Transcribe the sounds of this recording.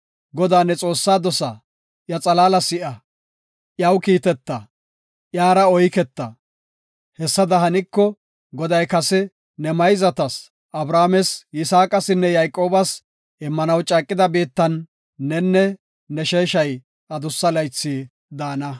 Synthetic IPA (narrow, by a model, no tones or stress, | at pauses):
ɡɔd̪aːnːɛt͡sʼo̞ːsːaːd̪ɔsɐ | ʔjɐt͡sʼɐlaːlɐsɪʔɐ | ʔjɐwkiːt̪ɛt̪ːɐ | ʔjaːɾɐɔjkɛt̪ːɐ | hɛsːɐd̪ɐɦɐnɪkːɔ | ɡɔd̪ɐjkɐsɛ | nɛmɐjzɐt̪ɐs | ʔɐbɾaːmɛsjɪsaːkʼɐsɪnːɛjɐjkʼːo̞ːbɐs | ʔɛmːɐnɐwt͡ʃʼɐːkʼːɪd̪ɐbiːt̪ːɐnː | ɛnːɛ | nɛʃeːʃɐj | ɐd̪ʊsːɐlɐjt͡sːi | d̪aːnɐ